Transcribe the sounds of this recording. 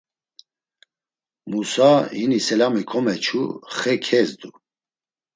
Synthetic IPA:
musahinisɛlamikʰɔmɛt͡ʃʰṵχɛkʰɛzd̪u

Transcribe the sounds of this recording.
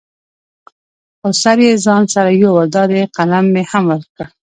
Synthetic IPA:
xosaɾjezɑnsaɾajowad̪ɑɾeqalamːehamwəɾkə

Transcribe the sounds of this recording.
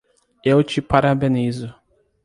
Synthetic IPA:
ewt͡ʃɪpaɾabẽnizʊ

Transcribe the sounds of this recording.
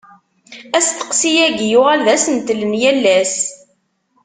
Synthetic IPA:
æst̪ə̥qsijæɡjʊʁælðæsənt̪lənjælːæs

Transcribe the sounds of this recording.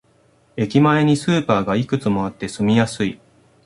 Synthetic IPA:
e̞kʲimae̞ɲ̟isɨːpaːɡaikɯ̟t͡sɨmo̞at̪ːe̞sɨmʲijasɨi

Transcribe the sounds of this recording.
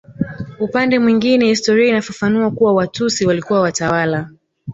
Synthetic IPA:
upandɛmwiŋɡinɛhistɔɾiainafafanuakuwawatusiwalikuwawatawala

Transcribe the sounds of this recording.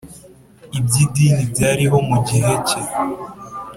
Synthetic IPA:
ibɟidinibɟaːɾiɦo̞muɟiɦe̞ce

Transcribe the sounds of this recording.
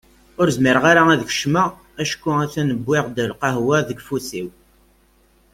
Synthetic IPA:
ʊɾzməɾʁaɾaæðəç̥ʃmæ | æʃkʷːʊæθænəbːɪʁd̪əlqɑɦwæðəɡfusiw

